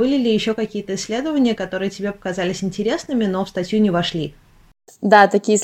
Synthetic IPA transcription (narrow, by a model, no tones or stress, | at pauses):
bɨlʲɪlʲɪjɪɕːo̞kɐkʲijət̪əɪsʲːlʲe̞d̪əvənʲɪjəkɐt̪o̞ɾɨjətʲɪbʲepə̥kɐzalʲɪsʲɪnʲtʲɪɾʲe̞snɨmʲɪno̞fst̪ɐtʲjunʲɪvɐʂlʲi | d̪at̪ɐkʲijəs